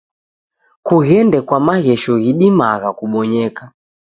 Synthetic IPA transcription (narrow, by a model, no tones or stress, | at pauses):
kuɣɛndɛkwamaɣɛʃɔɣiɗimaɣakuɓɔɲɛka